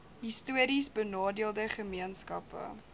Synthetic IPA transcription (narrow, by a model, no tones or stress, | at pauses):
ɦistuəɾisbənɑːdiəlˠdəχəmiənskɐpə̰